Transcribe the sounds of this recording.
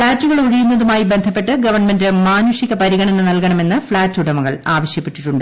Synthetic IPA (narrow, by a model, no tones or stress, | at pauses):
fɭaːtːuɣɐɭoɻijunːɐðumaːjibe̞nd̪ʱɐpːe̞ʈːɨɡɐʋɐrɳme̞ndɨmaːnuːʂiɣɐpɐɾiɣɐɳɐnːɨnɐlkɐɳɐme̞nːɨfɭaːtːuɽɐmɐɣɐɭaːʋɐɕjɐpːe̞ʈːiʈːuɳɖɨ